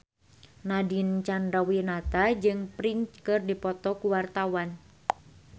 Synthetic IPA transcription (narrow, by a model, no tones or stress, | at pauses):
nadint͡ʃandɾawinat̪ad͡ʒɨŋpɾint͡ʃkɨrdipɔt̪ɔkuwart̪awan